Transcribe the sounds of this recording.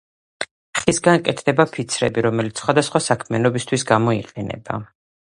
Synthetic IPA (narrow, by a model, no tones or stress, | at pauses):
χisɡankʼɛt̪ʰd̪ɛbapʰit̪sʰɾɛ̰biɾɔmɛlit̪ssχwad̪asχwasakʰmianɔbist̪ʰwisɡamɔiqʼɛnɛ̰ba̰